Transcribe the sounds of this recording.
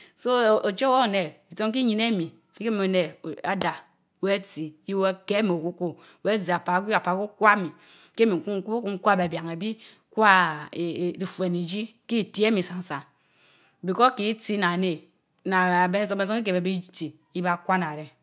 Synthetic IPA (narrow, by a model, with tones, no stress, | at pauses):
so˦o˨t͡ʃo˦wo˦˨ne˨i˨to˦ŋ˦k̬i˦ɲi˨ne˦mi˨fi˦ke˦mi˨o˨ne˨a˨da˨ | we˦ti˨i˦we˦ke˦mi˨o˨ku˦ko˦ | we˦zi˨a˨pa˨˦ɡʷi˦a˨pa˨ku˦kʷa˦mi˨ | ke˦mi˨ŋ˨ku˦ŋ˦ku˦o˦ku˦ŋ̩˦kʷa˦˨be˨bja˨ŋe˨bi˦ | kʷa˦˨ | ɾi˨fu˨e˨ni˨d͡ʒi˦ki˦˨ti˦e˦mi˨sa˨ŋ˨˦sa˨ | bi˨ko˦ki˦ti˦na˨ne˨ | na˨a˨be˦ne˦˨so˦e˨so˦ŋ˦i˦k̬e˨e˨bi˦ti˨ | i˦ba˦˨kʷa˦na˨ɾe˨